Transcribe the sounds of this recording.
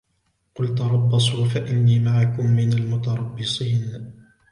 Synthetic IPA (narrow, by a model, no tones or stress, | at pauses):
qʊlt̪ɑɾˤɑbːɑsˤuːfaʔɪnːiːmaʕakʊmːɪnalmʊt̪ɑɾˤɑbːɪsˤiːn